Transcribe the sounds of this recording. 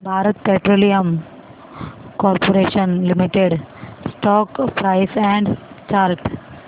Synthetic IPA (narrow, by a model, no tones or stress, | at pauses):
bʱaːɾət̪̚peːʈɾoːlijəm | kɔːɾpoɾeːʃənlimiʈeɖsʈɔːkpɾaːɪsɛ̃ɳɖt͡ʃaːɾʈ